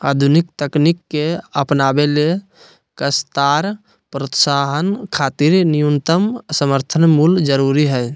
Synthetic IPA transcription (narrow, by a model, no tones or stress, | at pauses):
a̰ːd̪ʱunikt̪əknikːeəpnabele | kəst̪aɾ | pɾət̪saɦənkʰaːt̪iɾnijunt̪əmsəməɾt̪ʰənmuld͡ʒəɾuɾiɦɛ